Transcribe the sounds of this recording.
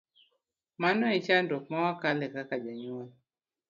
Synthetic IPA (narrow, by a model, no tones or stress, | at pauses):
manɔit͡ʃandɔk̚mawakalɛkakad͡ʒaɲol